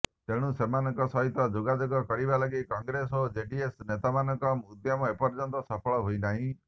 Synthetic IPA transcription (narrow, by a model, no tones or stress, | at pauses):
t̪eɽ̃ũsemanɔŋkɔsɔɦit̪ɔd͡ʒoɡad͡ʒoɡɔkɔɽibalɔɡikɔŋɡɾesod͡ʒeɖiesnet̪amanɔŋkɔmud̪jɔmɔepɔɾd͡ʒɔnt̪ɔsapʰɔɭɔɦojnaɦĩ